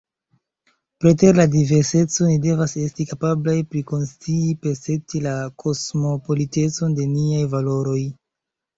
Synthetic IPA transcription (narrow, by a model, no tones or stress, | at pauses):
pɾete̞ɾladive̞ɾse̞t͡so̞nide̞vase̞stikapablajpɾiko̞nst͡siːpeɾse̞tilakʰo̞smo̞po̞lite̞t͡so̞nde̞niajvalo̞ɾo̞j